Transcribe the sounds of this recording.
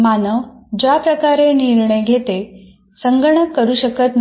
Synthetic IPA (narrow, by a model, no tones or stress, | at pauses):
manəʋd͡ʑapɾəkaɾeniɾɳəjɡʱet̪e | səŋɡəɳəkːəɾuːɕəkət̪n